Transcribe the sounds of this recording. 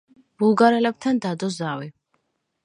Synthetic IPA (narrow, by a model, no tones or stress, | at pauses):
b̥ulˠɡaɾɛlɛb̚t̪ʰand̪ad̪ɔzawi